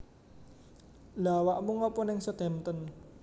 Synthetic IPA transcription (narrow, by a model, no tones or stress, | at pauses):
lawaʔmuŋɔpɔnɪŋsəd̪̥ɛ̤mt̪ən